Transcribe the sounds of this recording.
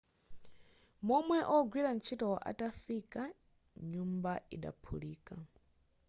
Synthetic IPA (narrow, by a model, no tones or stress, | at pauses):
mɔmwɛʔɔɡwiɾan̩t͡ʃʰitɔwaʔa̰tafika | ɲumbaiɗa̰pʰuliːka